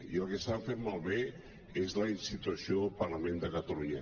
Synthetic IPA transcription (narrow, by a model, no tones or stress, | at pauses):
iəlˠkesafeɾmalˠβe | ezlainsit̪uasjolpaɾlamẽnd̪əkat̪aluɲə